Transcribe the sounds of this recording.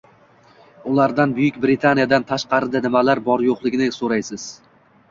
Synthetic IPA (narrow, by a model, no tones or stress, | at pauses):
ʊlˠaɾd̪anbʊjɪkʲbɾɪt̪ʰanijad̪ant̪ʰaʃqɑɾɪd̪anɪmalaɾbɒɾjoqlˠɪɡʲɪnɪsoɾajsɪz̥